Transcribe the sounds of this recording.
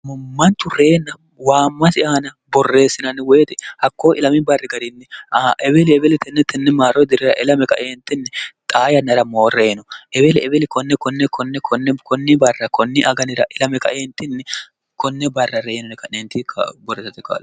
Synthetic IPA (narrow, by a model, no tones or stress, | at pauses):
mɐnt̪ʊɾe̞ːnːɐ | waːmːɐsɪʔaːnɐ | bɔrːe̞ːsːɪnɐnːɪweːt̪ɪhɐkːoːʔɪlɐmɪbɐrːɪɡɐɾɪnːɛaʔɛbɛlɪɛbɛlɪt̪ɛnːɛt̪ːɛnːɛmaːɾɔd̪ɪɾɪɾɐʔɪlɐmɛkɐ̰ʔeːnt̪ːɪnːɛt̪ʼaːjɐnːɐɾɐmo̞ːreːnɔʔɛbɛlɪɛbɛlɪkɔnːɛkɔnːɛkʰɔnːɛkɔnːɛkɔnːɪbɐrːɐkɔnːɪʔɐɡɐnɪɾɐʔɪlɐmɛkɐ̰ʔeːnt̪ːɪnːɛ | kɔnːɛbɐrːɐrejɛnɔnɛkɐnɛnt̪ɪkʰbɔrːeːsɐt̪ːɪka̰ːl